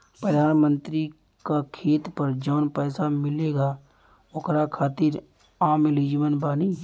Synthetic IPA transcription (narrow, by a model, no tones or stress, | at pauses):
pɾəd̪ʱaːnmə̃nt̪ɾi | kakʰeːt̪pəɾd͡ʒəːnpɛːsamɪleːɡa | ʊkɾakʰaːt̪ɪɾ | aːmɪliːd͡ʒʋənbaːni